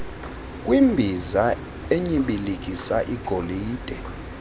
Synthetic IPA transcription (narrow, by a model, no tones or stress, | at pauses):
kʼwimbʱiza | eɲiɓilik̬ʼisaʔiɡ̥ʱoliːd̥ʱɛ